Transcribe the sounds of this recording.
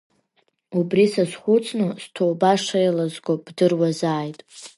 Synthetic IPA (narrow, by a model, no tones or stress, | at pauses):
ubrisasχʷʊt͡sʰnɨstʰowbaʂejlazɡʷob̥dɨrwazaːjtʼ